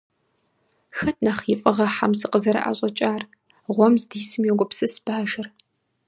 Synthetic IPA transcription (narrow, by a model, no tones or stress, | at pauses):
xɐtʰʼnaːχiːfʼɐʁɐħamsɨqəzɐɾɐ̰ʔa̰ːɕʼɐt͡ʃʼaːr | ʁʷɔmzdiːsɨmjɛɡʷʼɔpsɨsb̥aːʒɐr